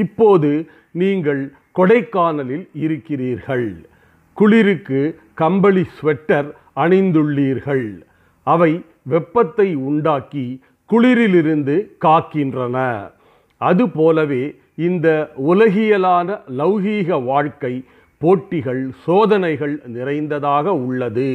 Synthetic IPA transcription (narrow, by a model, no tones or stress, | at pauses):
ɪpːoːðɯ | niːŋɡɐɭ | kɔɽɐɪkːaːnɐlɪlɪɾɯkːɪriːɾɣɐɭ | kʊɭɪɾɯkːɯ | kɐmbɐɭisʋɛʈːɐɾ | ɐnɐɪnd̪ɯɭːiːɾɣɐɭ | ɐʋɐɪ | ʋɛpːɐt̪ːɐɪʊɳɖaːki | kʊɭɪɾɪlɪɾɯnd̪ɯkaːkːɪndrɐnɐ̰ | ʔɐðɯpoːlɐʋeː | ɪnd̪ɐʊlɐɣɪjɐlaːnɐlɐʋɣiːɣɐʋaːɻkɐɪ | poːʈːɪɣɐɭsoːðɐnɐɪɣɐɭnɪrɐɪnd̪ɐðaːɣɐʊɭːɐðɯ